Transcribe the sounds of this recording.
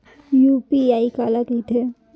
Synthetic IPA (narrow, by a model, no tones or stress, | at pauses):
jupiaːikaːlakit̪ʰe